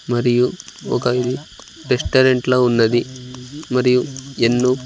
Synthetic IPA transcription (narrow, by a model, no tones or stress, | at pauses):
mɐɾijuoːkaːjili | ɾesʈɐɾeɳʈlɐunːɐd̪imɐɾijuenːu